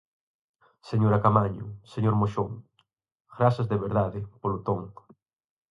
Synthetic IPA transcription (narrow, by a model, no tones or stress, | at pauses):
seɲoɾakamaɲʊ̰seɲoɾmoʃoŋ | ɡɾasɐzðeβeɾðaðɪpolot̪oŋ